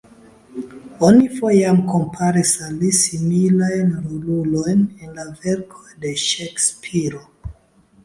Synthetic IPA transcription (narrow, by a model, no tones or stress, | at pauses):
o̞nifo̞jamkompʰaɾisalisimilajnɾolulo̞jnenlave̞ɾkʰo̞jde̞ʃekspʰiɾo